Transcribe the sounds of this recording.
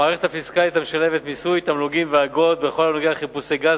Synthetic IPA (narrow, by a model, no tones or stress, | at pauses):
aːʁeχetafiskalit̪ameʃale̞vet̪misujt̪amluɡimveaɡo̞t̪̚be̞χo̞lamloɡialeχipusejɡaz